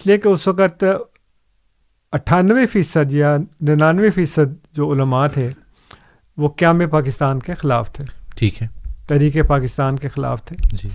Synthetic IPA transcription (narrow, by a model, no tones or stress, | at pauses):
ɪsliekeʊsʋəkət̪ | ɐʈʰaːnʋefiːsəd̪janɐnaːnʋefiːsəd̪̚d͡ʒoːʊləmaːt̪ʰeː | ʋoːkjãːmẽpaːkɪst̪aːnkexɪlaːft̪ʰeːʈʰiːkɦɛt̪ɛɦɾiːkepaːkɪst̪aːnkexɪla̰ːft̪ʰeːd͡ʒi